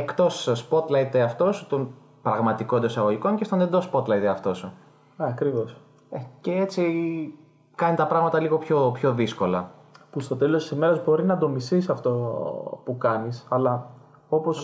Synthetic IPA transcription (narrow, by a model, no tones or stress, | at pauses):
ekt̪o̞sspo̞t̪lɐit̪eɐft̪o̞sut̪o̞n | pɾɐɣmɐt̪iko̞end̪osɐɣo̞ʝiko̞ncest̪onend̪o̞spo̞t̪lɐit̪eɐft̪o̞su | ɐkɾivo̞s | ece̞et͡si | kɐnit̪ɐpɾɐɣmɐt̪ɐliɣo̞pço̞pço̞ðisko̞lɐ | pust̪o̞t̪e̞lo̞st̪i̥sime̞ɾɐzbo̞ɾinɐd̪o̞misisɐft̪o̞pukɐnisɐlɐ | o̞po̞s